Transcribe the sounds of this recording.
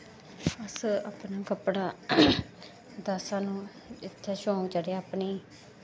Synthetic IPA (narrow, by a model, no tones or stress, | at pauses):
əsaːpnaːkəpɽaː | d̪aːsãːnũː | ɪt̪ʰːaːʃõːd͡ʒəɽeːaːpniː